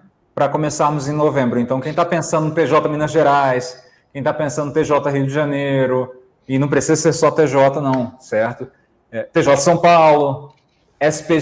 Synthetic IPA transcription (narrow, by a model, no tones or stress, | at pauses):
pɾɐkõmesaɾmʊzẽj̃novẽmbɾʊẽnt̪ɐ̃w̃kẽj̃t̪apẽsɐ̃d̪ʊt̪eʒɔt̪ɐmĩnɐʒeɾajs | kẽj̃t̪apẽsɐ̃d̪ʊt̪eʒɔt̪ɐɦiʊd͡ʒɪʒɐ̃nejɾʊ | ɪnɐ̃w̃pɾesizɐseɾsɔt̪eʒɔt̪ɐnɐ̃w̃sɛɾt̪ʊ | ɛt̪eʒɔt̪ɐsɐ̃w̃pawlʊ | ɛsi̥pe